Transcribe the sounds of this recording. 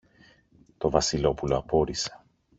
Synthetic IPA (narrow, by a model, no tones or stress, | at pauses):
t̪o̞vɐsilo̞pulo̞ɐpo̞ɾise̥